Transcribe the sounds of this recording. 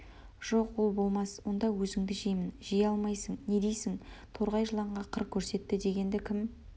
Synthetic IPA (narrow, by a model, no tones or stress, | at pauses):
ʒ̥o̞qwo̞lˠbo̞lˠmɑswo̞nd̪ɑwɵzɪŋd̪ɪʒijmɪnʒijɑlˠmɑjsəɴne̞d̪e̞jsɪŋt̪ʰo̞ɾʁɑjʒəlˠɑɴʁɑqʰəɾq̚kʲʰɵɾse̞t̪ːɪd̪e̞ɡʲe̞nd̪ɪkʲʰɪm